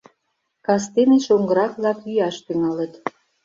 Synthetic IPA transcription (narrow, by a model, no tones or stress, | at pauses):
kɑs̬t̪eneʃoŋɡə̆ɾɑkβlɑkyjɑʃt̪yŋɑlə̆t̪